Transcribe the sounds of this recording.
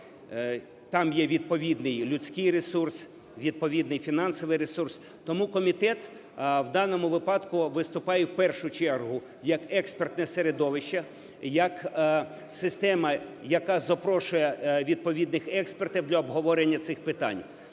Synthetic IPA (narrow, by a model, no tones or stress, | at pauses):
t̪ɑmjɛʋʲid̪̚pɔʋʲid̪nɪjlʲʊt͡sʲkɪjɾesurs | ʋʲid̪̚pɔʋʲid̪nɪjfʲinɑnsɔʋɪjɾesurs | t̪ɔmukɔmʲit̪ɛt̪ | wd̪ɑnɔmʊʋɪpɑd̪kʊʋɪst̪ʊpɑjɛwpɛrʃʊt͡ʃɛrɦʊ | jɐkɛkspert̪nɛseɾed̪ɔʋɪʃt͡ʃɐ | jɐk | sɪst̪ɛmɐjɐkɑzɐpɾɔʃʊjɛʋʲid̪̚pɔʋʲid̪nɪxɛkspert̪ɪwd̪lʲɐɔbɦɔʋɔɾenʲːɐt̪sɪxpɪt̪ɑ̰nʲ